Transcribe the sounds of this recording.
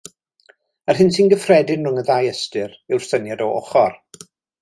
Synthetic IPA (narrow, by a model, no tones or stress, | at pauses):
arɦɪnsinɡəfrɛdɪnrʊŋəðaːjəstɨrɪwr̥θənjadɔɔ̰χɔr